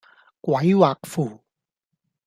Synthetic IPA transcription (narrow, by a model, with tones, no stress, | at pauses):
kwɐ˨˦jwaː˨˩k̚fuː˨˩